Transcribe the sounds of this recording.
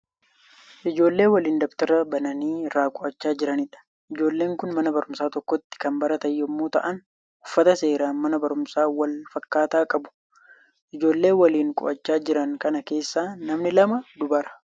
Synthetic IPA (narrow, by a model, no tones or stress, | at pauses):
ʔɪd͡ʒo̞ːlːe̞ːwɐliːnd̪ɔkt̪ɐɾɐbɐnɐniːɪrːaːkʼʊʔɐt͡ʃːaːd͡ʒɪɾɐnɪᶑɐ̥ | ʔɪd͡ʒo̞ːlːe̞ːŋkʊnmɐnɐbɐɾʊmsaːt̪ɔkːɔt̪ːɪ̥kɐmbɐɾɐt̪ɐjːɔmːoːt̪ɐ̰ʔɐn | ʊfːɐt̪ɐse̞ːɾaːnmɐnɐbɐɾʊmsaːwɐlfɐkːaːt̪aːkʼɐbʊ̥ | ʔɪd͡ʒo̞ːlːe̞ːwɐliːŋkʼʊ̰ʔɐt͡ʃːaːd͡ʒɪɾɐŋkɐnɐke̞ːsːaːnɐmnɪlɐmɐd̪ʊbɐɾɐ̥